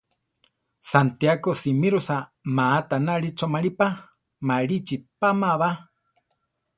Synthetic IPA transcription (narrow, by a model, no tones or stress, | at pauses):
sant̪jakosimiɾusamaːt̪anaɾit͡ʃomaɾipa | maɺit͡ʃipamaβa